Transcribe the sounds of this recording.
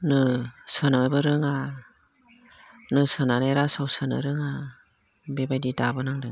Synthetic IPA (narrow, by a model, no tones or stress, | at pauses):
nɯsɯnabɯɾɯŋa | nɯsɯnaneɾasawsɯnɯ̰ɾɯŋa | bebajdidabɯnaŋdɯŋ